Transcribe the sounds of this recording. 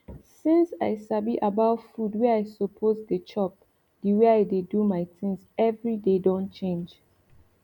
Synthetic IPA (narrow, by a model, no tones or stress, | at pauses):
sĩnsaɪsabiʔabaʊfudwɛajsopʰozdət͡ʃɔp̚ | d̥iweaɪdedumaɪtĩŋsɛvɹidedɔ̃nt͡ʃẽnd͡ʒ